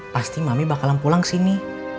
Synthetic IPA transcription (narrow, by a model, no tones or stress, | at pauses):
past̪imamibakalampulaŋsini